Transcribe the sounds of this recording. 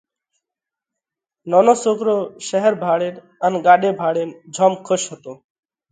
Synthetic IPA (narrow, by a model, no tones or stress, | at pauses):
nɔnosokɾoʃɛɦeɾbʱaɽeɾ | anɡaɖebʱaɽeɾd͡ʑʱɔmkʰoʃɦɔt̪o